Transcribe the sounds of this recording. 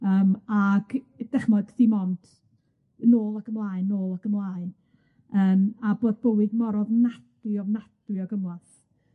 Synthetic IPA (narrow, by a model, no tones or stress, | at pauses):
əːmaɡ̥ | d̥ɛχmɔd̥θimɔnd̥ | noːlˠaɡəmlˠaːɨnːoːlˠaɡ̥əmlˠan | əːmaboːd̚bəwɨdmɔɾɔvnad̥wɨɔvnad̥ɨɔɡəmwaθ